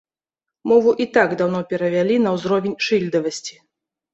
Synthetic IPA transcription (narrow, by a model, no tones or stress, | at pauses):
mɔvuʔit̪aɡd̪awn̪ɔpʲɛɾɐvʲalʲinɐwzɾɔvʲɛnʲʂɨlʲd̪ɐvɐsʲt͡sʲi̥